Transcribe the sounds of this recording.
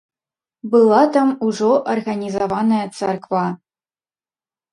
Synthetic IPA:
bɨlˠat̪amuʐɔʔɐrɣɐnʲizɐvanɐjɐt̪t͡s̪ɛrkva

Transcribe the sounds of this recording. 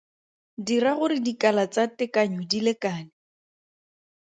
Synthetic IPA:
diraɣʊɾɪdikalat͡satɪkaɲɔdilekaːnɪ

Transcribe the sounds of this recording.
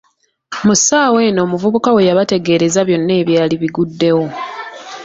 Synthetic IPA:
musaːwe̞no̞ːmuvuβukawe̞jaβate̞ɡe̞ɾe̞zaβjo̞nːe̞ːβjaːliβiɡudːe̞wo̞

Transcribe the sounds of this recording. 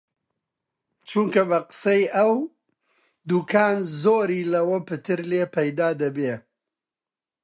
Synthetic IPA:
t͡ʃuŋkɐbɐqɨ̥sɐjɐw | d̪ukʰaːnzoːɾiːlɐwɐpɨt̪ʰɨɾleːpʰɐjd̪aːd̪ɐbeː

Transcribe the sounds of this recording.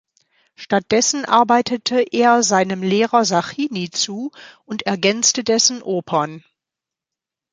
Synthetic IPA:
ʃtat̚d̥ɛsn̩ʔa̰ɐbaɪtʰətʰəʔeːɐzaɪnəmleːʁɐzaχiːnit͡suːʊntɛɐɡɛnt͡stədɛsn̩ʔoːpʰɐn

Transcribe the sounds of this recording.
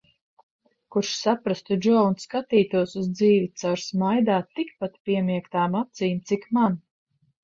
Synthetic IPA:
kuɾʃsapɾast̪ud͡ʒɔwnskat̪iːt̪uɔsuzd̪ziːvit̪saɾsmajd̪aːt̪ːikpat̪pʲiɛmiɛkt̪aːmap̚t̪siːmt̪sikman

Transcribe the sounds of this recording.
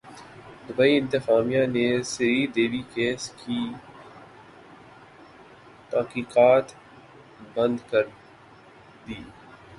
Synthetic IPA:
d̪ʊbəiɪ̃nt̪ɪqaːmijaneseɾiːd̪eːʋikeːskʰi | t̪aːqiːqaːt̪ | bɐ̃nd̪kɐɾ | d̪iː

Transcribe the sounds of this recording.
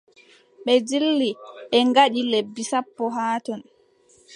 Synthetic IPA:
ɓɛd͡ʒilːiʔɛŋɡaɗilebːisapːɔɦaːtɔn

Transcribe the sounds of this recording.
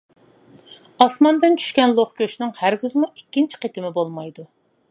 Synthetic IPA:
ɑsmɑnd̪ɪnt͡ʃʰy̥ʃkʲɛnlˠoχkʲøʃnɪŋhæɾɡʲɪzmuikʲːint͡ʃʰi̥qʰet̪ɪmɪbolˠmɑjd̪u

